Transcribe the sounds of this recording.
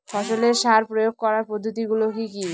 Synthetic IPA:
fʰɔʃoleɾʃaɾpɾojoɡ̚kɔɾaɾpod̪ʱːot̪iɡulokiki

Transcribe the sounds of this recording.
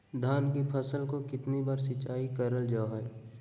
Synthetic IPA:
d̪ʱaːnkipʰɐsəlkokɪt̪nibaːɾsɪt͡ʃaːikɐɾəld͡ʒaːɦɛː

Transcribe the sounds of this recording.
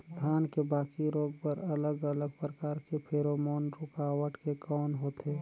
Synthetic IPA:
d̪ʱjaːnkebaːkiɾoːɡpəɾɐləɡələɡ̚pɾəkaːɾkepʰeːɾoːmoːnɾʊkaːwəʈkekɔːnɦoːt̪eː

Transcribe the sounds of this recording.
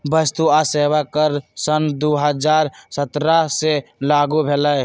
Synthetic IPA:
bəst̪uaseːwakəɾsənd̪oɦəd͡ʒaːɾsət̪ɾaselaːɡubʱelə

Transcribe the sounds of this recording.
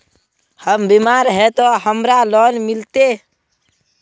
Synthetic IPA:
həmbimaɾɦɛt̪oɦəmɾalɔnmɪlt̪e

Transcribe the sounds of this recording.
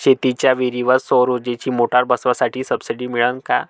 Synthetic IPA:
ɕet̪it͡ɕjaʋiɾiʋəsoɾod͡ʑet͡ɕiːmoʈaɾbəsʋasaʈʰiːsəbsiɖiːmiɭənka̰

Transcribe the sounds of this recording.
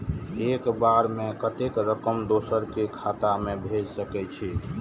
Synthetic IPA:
ekbaɾmẽkət̪ekɾəkəmd̪osəɾkekʰat̪amebʱed͡ʒsəkɛt͡ʃʰi

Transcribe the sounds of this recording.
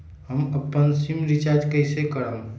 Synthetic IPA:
ɦəməpːənsimɾit͡ʃad͡ʒkəɪsekəɽəm

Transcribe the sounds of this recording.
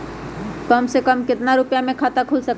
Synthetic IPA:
kəmsekəmket̪naɾupjamekʰat̪akʰulsək

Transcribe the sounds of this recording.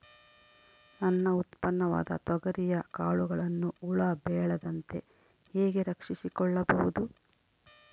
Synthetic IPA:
nɐnːɐut̪pɐnːɐʋa̰ːd̪ɐ̰t̪ɔɡɐɾijɐkaːɭuɡɐɭɐnːuːɭɐbɛːɭɐd̪ɐnt̪e̞ | heːɡe̞ɾɐkʂisikɔɭːɐbɐʋud̪u

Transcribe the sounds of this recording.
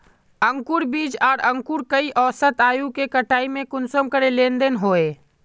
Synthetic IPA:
əŋkuɾbiːd͡ʒaːɾə̃ŋkuɾkəiʔɔːsət̪aːjukekəʈaːimẽkʊnsəmkəɾelẽːnd̪enɦoːe

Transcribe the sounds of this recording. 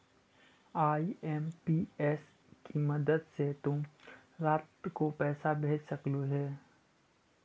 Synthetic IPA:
aːiɛːmpiːɛːs | kimɐd̪əd̪set̪ʊm | ɾaːt̪kopɛːsabʱeːd͡ʒsɐkloɦɛː

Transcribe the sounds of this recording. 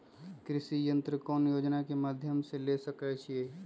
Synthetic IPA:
kɾɪʃijə̃nt̪ɾəkɔːnjoːd͡ʒnakemaːd̪ʱjəmselesəkɛt͡ʃʰieː

